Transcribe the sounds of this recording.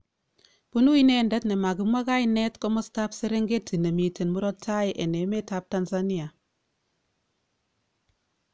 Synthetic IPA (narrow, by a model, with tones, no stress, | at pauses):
b̥u˦nu˦i˦ne˦˨nde˦tne˨ma˨ɡi˨˦mwa˦ɡa˦i˦ne˦tko˦mo˦sta˦pse˦ɾe˦ŋɡe˦tːi˨ne˨mi˨te˨nmu˦ɾɔ˦tʰːa˦jʔe˨ne˨˦me˦ta˦p̚ta˦nsa˦ni˦a˨